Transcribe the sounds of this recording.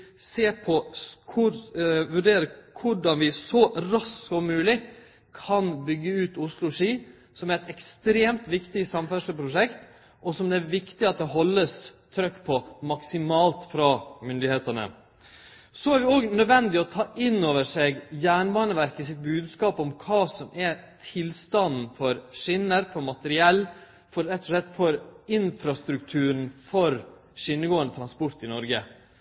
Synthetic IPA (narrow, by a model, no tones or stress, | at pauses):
seːpʰɔkʰʊɾʋʉɖeːɾəkʰʊɖɑnʋɪsɔɾɑsɔmʉːlɪ | kʰɑnbʏɡːəʉːt̪ʊslʊʂiː | sɔmæɾɛt̪ɛkst̪ɾeːmt̪ʋɪkt̪ɪsɑmfæʂəpʰɾʊʂɛkt̪ | ʔɔsɔmd̪ɛæɾʋɪkt̪ɪɑt̪̚d̪ɛɦɔlːəst̪ʰɾœkːpʰɔmɑksɪmɑːlt̪fɾɑmʏnd̪ɪheːt̪ənə̰ | sɔæɾʋɪɔɡnœd̪ʋɛnd̪ɪɔt̪ʰɑːʔɪnːoːʋəʂɛɡjæːɳbɑːnəʋæɾkəsɪt̪̚bʉːd̪skɑːpɔmkʰɑːsɔmʔɛt̪ʰɪlst̪ɑnn̩fɔɾʂɪnəɾfɔɾmɑt̪əɾɪɛlː | fɔɾɛt̪ːʊʂɭɛt̪ːfɔɾɪnfɾɑst̪ɾʉkt̪ʰʉːɾn̩fɔɾ | ʂɪnːəɡoːənd̪ət̪ʰɾɑnspɔɾt̪ɪnɔɾɡə